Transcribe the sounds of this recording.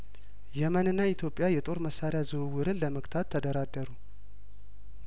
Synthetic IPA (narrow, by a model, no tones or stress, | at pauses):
jɛmənɨnːait̪ʰjo̞pʼːjajɛt̪ʼo̞ɾməsːaɾɪjazɨwɨwɨɾɨnləməkt̪ʰat̪ʰːəd̪əɾad̪ːəɾu